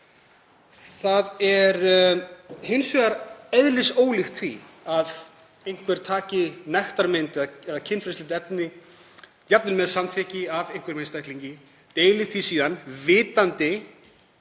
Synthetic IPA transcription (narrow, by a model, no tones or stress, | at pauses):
θaðɛɾ | hɪnsvɛaɾɛðlɪsoːwlɪxt̪θḭ | að | ejn̥kʰvɛɾ̥t̪ʰaːcɪnajxt̪aɾmɪnt̪ɛðaɛðacʰɪnfɾɪslɪnt̪ɛpnɪ | cjap̚nɪnmɛðsamθʰɛcɪavejŋ̥kvɛɾmejnst̪ajt̪liɲcɪ | t̪eːjlɪθvisiːðanvɪːt̪ant̪ɪ